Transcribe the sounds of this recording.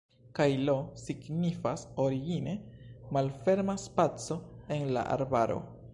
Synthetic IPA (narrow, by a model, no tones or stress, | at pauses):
kajlosiɡnifasoɾiɡine̞malfe̞ɾmaspat͡so̞e̞nla̰ʔa̰ɾbaɾo̞̰